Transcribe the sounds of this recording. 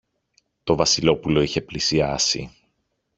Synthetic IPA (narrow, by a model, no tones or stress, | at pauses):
t̪o̞vɐsilo̞pulo̞içe̞plisiɐsḭ